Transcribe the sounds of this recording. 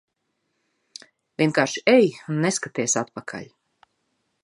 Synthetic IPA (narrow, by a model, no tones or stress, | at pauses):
vʲiɛnkaːɾʃi̥ɛjunːeskat̪iɛsat̪̚pakʰa̰lʲ